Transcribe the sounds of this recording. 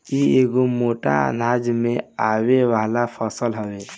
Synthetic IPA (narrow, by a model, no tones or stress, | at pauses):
ieːɡomoːʈa̰naːd͡ʒmẽaːweʋaːlapʰəsəlɦəweː